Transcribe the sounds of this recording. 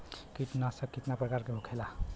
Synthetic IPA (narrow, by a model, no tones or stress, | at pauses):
kiʈnasə̃kːiʈ̪napɾəkaɾkebʱokʰela